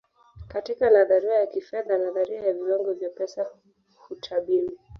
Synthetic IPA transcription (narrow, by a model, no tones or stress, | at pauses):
katikanaðaɾiɾajakifɛðanaðaɾiajaviwaŋɡɔvjapɛsa | hutʰaɓili